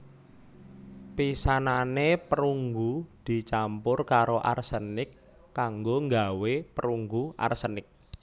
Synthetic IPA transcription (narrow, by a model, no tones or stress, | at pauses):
pisananepəɾuŋɡud̪̥i̤t͡ʃampʊrkaɾoʔa̰rsənɪkː | aŋɡoŋɡawepəɾuŋɡuʔa̰rsənɪk̚